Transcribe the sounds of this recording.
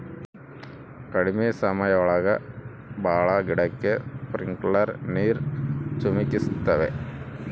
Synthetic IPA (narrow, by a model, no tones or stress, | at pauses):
kɐɽimijɐsɐmɐjɐʋɐɭɐɣɐ | baːɭɐɡiɽɐkːɨpriŋɡɭɐɾniːrt͡ɕumikʲːist̪ːɐʋe